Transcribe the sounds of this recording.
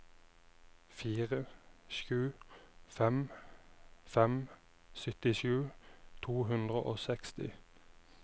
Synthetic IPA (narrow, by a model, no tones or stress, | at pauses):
fiːʁəʃʉːfɛm | fɛm | sʏt̪ɪʃʉːt̪ʰuːɦʉnd̪ʁəʔoːsɛkst̪ɪ̰